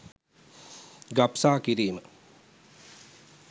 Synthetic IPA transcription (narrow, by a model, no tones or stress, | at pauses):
ɡapsaːkiɾiːmə